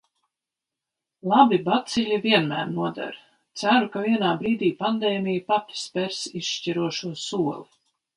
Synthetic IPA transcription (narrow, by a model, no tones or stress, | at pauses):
lˠabibat̪siʎʲiviɛnmæ̰ːɾnuɔd̪a̰ɾ | t̪sæɾukaviɛnaːbɾiːd̪iːpand̪eːmʲijpat̪spʲɛɾsisʃciɾuɔʃuɔsuɔlˠi